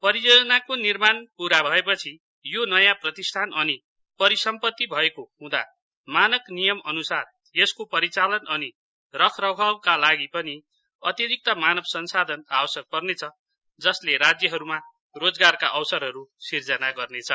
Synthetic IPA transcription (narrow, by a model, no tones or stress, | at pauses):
pʌɾijod͡zʌnakonirmanpuɾabʱʌepʌt͡sʰi | jonʌjãprʌt̪ist̪ʰanʌni | pʌɾisʌmpʌt̪ːibʱʌekohũd̪a̰ | manʌknijʌmʌnusar | jeskopʌɾit͡salʌnʌni | rʌkʰrʌbʱʌbkalaɡipʌni | ʌt̪iɾik̚t̪ʌmanʌbsʌnsad̪ʱʌnabʌsjʌk̚pʌrnet͡sʰʌ | d͡zʌsleɾad͡zjʌɦʌɾuma | rod͡zɡarka̰ʔʌwsʌrɦʌɾusird͡zʌnaɡʌrnet͡sʰʌ